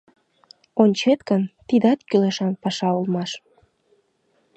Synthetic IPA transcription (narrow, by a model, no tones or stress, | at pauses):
onʲt͡ɕet̪kənt̪id̪ɑt̪kyleʃɑnpɑʃɑulmɑʃ